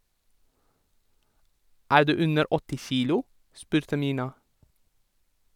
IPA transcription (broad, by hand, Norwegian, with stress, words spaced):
ˈæːɹ ˈdʉː ˈʉnəɾ ˈɔtɪ ˈçiːlʊ ˈspʉːɾtə ˈmʏnɑ